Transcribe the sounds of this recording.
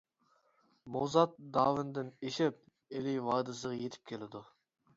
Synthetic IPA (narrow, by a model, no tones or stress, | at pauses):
mozɑt̪̚d̪ɑːwɪnd̪ɪneʃɪp̚ | elɪjwɑːd̪ɨs̬əʁɑjet̪ʰɪ̥p̚kʲʰelɪd̪u